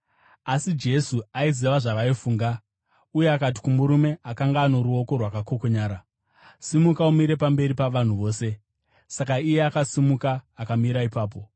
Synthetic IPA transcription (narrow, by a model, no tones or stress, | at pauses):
asid͡ʒe̞suaiziʋaʐaʋaifuːŋɡa | ujeakat̬i̥kumuɾume̞akaŋɡaːno̞ɾuo̞ko̞rwakako̞ko̞ɲaːɾa | simukaumiɾe̞pambe̞ɾipaʋan̤uʋo̞ːse̞ | sakaijeakasimukaːkamiɾaipaːp̬o̞